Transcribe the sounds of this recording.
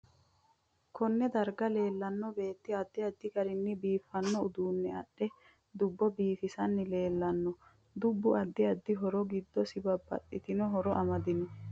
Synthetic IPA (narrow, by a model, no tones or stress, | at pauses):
kɔnːɛd̪ɐɾɡɐle̞ːlːɐnːɔbe̞ːt̪ːɪɐd̪ːɪɐd̪ːɪɡɐɾɪnːɪbiːfːɐnːɔʊd̪uːnːɛɐɗːɛ | d̪ʊbːɔbiːfɪsɐnːɪle̞ːlːɐnːɔ | d̪ʊbːʊʔɐd̪ːɪɐd̪ːɪɦɔɾɔɡɪd̪ːɔsɪbɐbɐ̰ɗːɪt̪ɪnɔɦɔɾɔʔɐmɐd̪ɪnɛ